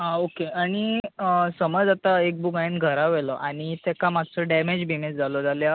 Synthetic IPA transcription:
ɦaokeaɽ̃isəməd͡zat̪aek̚bukajinɡʱəɾaʋeləʔaɽ̃it̪ɛkamad͡zsəɖɛmed͡ʑbʱimed͡zd͡zalɔd͡zalja

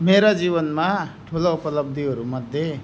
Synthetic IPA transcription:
meɾad͡zibʌnmaʈʰulaupʌlʌb̚d̪ʱiɦʌɾumʌd̪ʱje

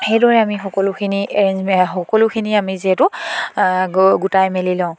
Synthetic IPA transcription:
xejdɔɹɛamixɔkɔlʊkʰininxɔkɔlʊkʰiniamiziɛtʊ | ɡutajmelilãʊ̃

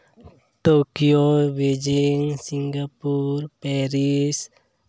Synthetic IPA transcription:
t̪okiobed͡ʒiŋsiŋɡapurpɛɾis

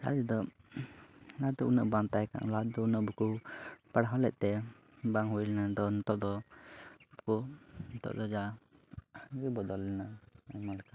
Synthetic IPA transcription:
ɾa̰d͡ʒɛd̪ɔ | nad̪ɔunəʔbaŋt̪ajka̰ŋlad̪ɔunəʔbukupaɽɦɔlɛc̪̚ˀt̪ɛ | baŋɦujlnad̪ɔnt̪ɔʔd̪ɔ | kunt̪ɔ̰ʔd̪ɔd͡ʒa | ɡibɔd̪ɔlːɛnaamalka

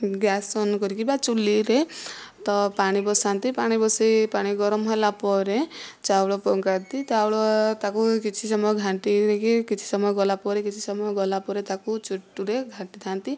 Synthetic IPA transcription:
ɡjasɔnkɔɾikibat͡ʃuliɾet̪ɔpaɽ̃ibɔsant̪ipaɽ̃ibɔsejpaɽ̃iɡɔɾɔmɦɔlapɔɾẽt͡ʃawɭɔpɔŋkant̪it̪awɭɔt̪akukit͡ʃʰisɔmɔjɔɡʱãɳʈiɾekikit͡ʃʰi̥sɔmɔjɔɡɔlapɔɾekit͡ʃʰisɔmɔjɔɡɔlapɔɾet̪akut͡ʃuʈːuɾeɡʱãɳʈit̪ʰant̪i

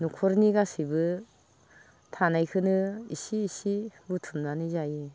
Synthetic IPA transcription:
nukʰɔɾniɡasibɯ | tʰanajkʰɯnɯisiːsibutʰumnanɯzaji

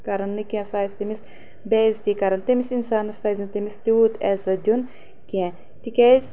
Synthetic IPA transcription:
kɐɾɐnːɨkiɛ̃saːjsʲt̪imis | bɛːzt̪ikɐɾɐnt̪ɐmisinsaːnɐspɐːzʲɐnt̪ɐmist̪iut̪ɛzɐd̪ʲjun | kɛ̃ | t̪ikʲez

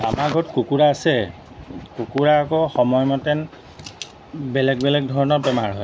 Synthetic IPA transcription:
a̰maɹɡʱɔtkukuɹaːsɛ | kukuɹaːkɔxɔmɔjmɔtɛn | bɛlɛɡbɛlɛɡ̚dʱɔɹɔnɔɹbɛmaɹɦɔj

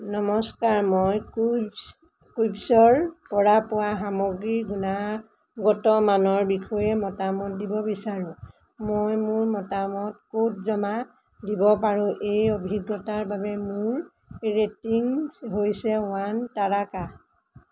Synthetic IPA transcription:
nɔmɔskaɹmoj | kubsɔɹpɔɹapʊwaɦamoɡɹiɡuna | ɡɔtɔmanɔɹbikʰɔjɛmɔtamɔt̚dibɔbisaɹʊ̃ | mojmʊɹmɔtamɔtkot̚zɔma | dibɔpaɹʊ̃ʔejobʱiɡːɔtaɹbabɛmʊɹ | ɹetiŋɦojsɛʊwantaɹaka

